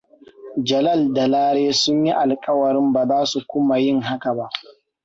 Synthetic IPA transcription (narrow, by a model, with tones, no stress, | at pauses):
d͡ʒɐ˨lɐ˦˨lda˨laː˦ɽeː˦sʊ˦ɲji˦ʔa˨lkʼɐ˦wɐ˨ɾɪ˦mbaː˨zaː˦su˨kʷʊ˦ma˨jɪ˦˨ŋɦa˦ka˨ba˦ʔ